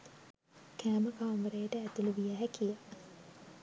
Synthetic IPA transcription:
kʰæːməkaʋamʋəɾejəʈəæt̪uluʋijæɦækija

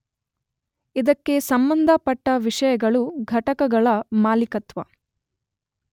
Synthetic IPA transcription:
id̪ɐkːe̞sɐmbɐnd̪ʱɐpɐʈːɐʋiʂɐjɐɡɐɭuɡʱɐʈɐkɐɡɐɭɐmaːlikɐt̪ʋɐ̰

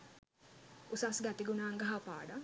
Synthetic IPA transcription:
usasɡæt̪iɡunaːŋɡɐɦapa̰ːɖa

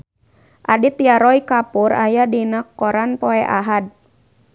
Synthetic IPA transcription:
ʔadit̪iaɾɔikapurʔa̰jadinakːɔɾanpɔɛʔaɦad̚

